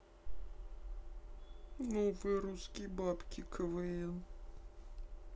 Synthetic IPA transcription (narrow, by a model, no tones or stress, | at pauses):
novɨjɾuskʲɪjbapkʲɪkʰəvɨelˠ